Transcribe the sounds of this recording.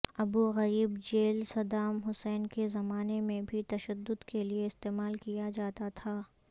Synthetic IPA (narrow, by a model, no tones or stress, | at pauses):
ɐbuɣɐɾiːbd͡ʒeːlsɐd̪aːmɦʊsɛːnkezɐmaːnemẽbʱit̪ɐʃəd̪ːʊd̪kelieɪst̪eːmaːlkijad͡ʒaːt̪at̪ʰaː